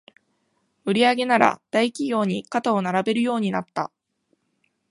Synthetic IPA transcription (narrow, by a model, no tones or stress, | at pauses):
ɯ̟ɾʲiaɡe̞naɾa̰d̪̥aikʲiɡʲo̞ːɲ̟ikat̪aonaɾabe̞ɾɯ̟jo̞ːɲ̟inat̪ːa̰